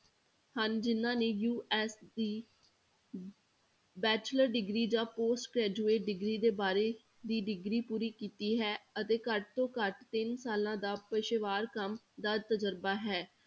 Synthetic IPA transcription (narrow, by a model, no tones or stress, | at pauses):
hənd͡ʒɪnːãːneːjuːʔɛːsd̪iː | bɛːt͡ʃləɾɖɪɡɾiːd͡ʒãːpoːsʈkɾɛːd͡ʒuːeːʈ̚ɖɪɡɾiːd̪eːbaːɾeː | d̪iːɖɪɡɾiːpuːɾiːkiːt̪iːɦɛːət̪eːkəʈ̚t̪õːkəʈt̪ɪnsaːlãːd̪aːpəʃɪʋaːɾkəm | d̪aːt̪əd͡ʒəɾbaːɦɛː